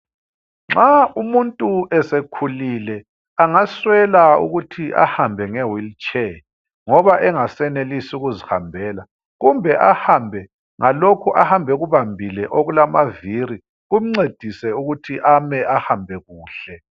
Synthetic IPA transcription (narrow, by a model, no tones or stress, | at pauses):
ŋ͡ǁaumuntʼuɛsekʰulilɛ | aŋaswɛlaṵɣutʰiʔa̰hambʱɛŋɛwilt͡ʃʰʼɛ | ŋɔβaʔɛŋasɛnelisuɣuziha̰mbʱɛːla | ɣumbʱɛʔahambʱɛ | ŋalokʰuʔahambʱɛɣuβambʱilɛʔoɣulamaviri | ɣum̩ŋ͡ǀed̥ʱisɛuɣutʰiʔamɛʔahambʱɛɣuːɬɛ